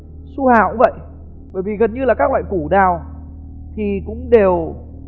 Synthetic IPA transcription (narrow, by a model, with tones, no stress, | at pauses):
su˧haː˧˨wʔvə̰˧˨j | ɓəː˧˩jvi˨˩ɣə˨˩nɲɨ˧laː˨˩kaː˦˥k̚lwa̰ː˧˨jku˧˩ɗaː˨˩w | t̪ʰi˨˩kʊ̰˧˥ŋ͡mɗe˨˩w